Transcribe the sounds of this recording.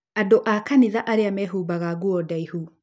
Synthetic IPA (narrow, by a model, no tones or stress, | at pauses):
adoʔakaniðaʔaɾeamɛɦubaɣaɣuɔdaihu